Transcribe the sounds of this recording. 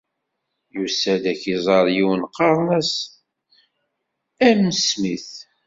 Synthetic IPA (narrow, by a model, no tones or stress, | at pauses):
jusæd̪æçizˤɑɾˤjiwənqɑɾˤnæs | æməsmiθ